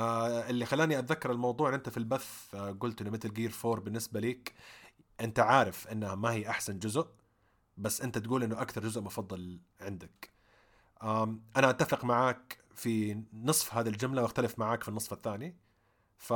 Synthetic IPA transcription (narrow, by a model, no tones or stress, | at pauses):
ʔɪlːixalːaːniʔat̪ðakːɑɾˤɪlmɑwðˤuːʕɪnʔɪnt̪afilbaθɡʊlt̪ʔɪnːʊmɪt̪ɪlɡiːɾfoːɾˤbɪnːɪsbaliːk | ʔɪnt̪aʕaːɾɪfʔɪnːhamahiːʔaħsand͡ʒʊzʊʔ | basːʔɪnt̪at̪ɡuːlʔɪnːʊʔakθɑɾˤd͡ʒʊzʊʔmʊfɑðˤːɨl | ʕɪnd̪ak | ʔaʔanaʔat̪ːafɪqmaʕaːk | finɨsˤfɦaːðild͡ʒʊmlawʔaxt̪alɪfmaʕaːkfinːɨsˤfaθːaːni | fa